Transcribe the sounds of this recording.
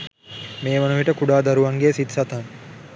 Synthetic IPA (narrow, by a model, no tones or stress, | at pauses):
meːʋɐnuʋiʈəkuɖaːd̪aɾuʋaŋɡeːsit̪sat̪aŋ